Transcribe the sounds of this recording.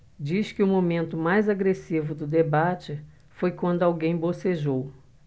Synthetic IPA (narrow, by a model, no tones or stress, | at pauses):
d͡ʒiʃkɪʊmomẽnt̪ʊmajzaɡɾesivʊd̪ʊd̪ebat͡ʃɪ | fojkwɐ̃nd̪ʊawɡẽj̃boseʒow